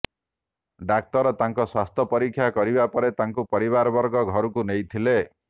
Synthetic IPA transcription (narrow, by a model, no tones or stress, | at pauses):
ɖak̚t̪ɔɾɔt̪aŋkɔswast̪ʰɔpɔɾikʰːjakɔɾibapɔɾet̪aŋkupɔɾiβaɾɔbɔɾɡɔɡʱɔɾukunejt̪ʰile